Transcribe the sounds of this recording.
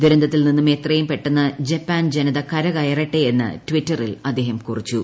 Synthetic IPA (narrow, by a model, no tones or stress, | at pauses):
d̪uɾɐnd̪ɐt̪ːilninːumeːt̪rɐjumpe̞ʈːunːɐd͡ʑɐpːaːnd͡ʑenɐðɐkɐɾɐɣɐjɐrɐʈːejenːɨ̰ʈʋitːɐrilɐd̪ːe̞ːɦɐmkurit͡ɕːu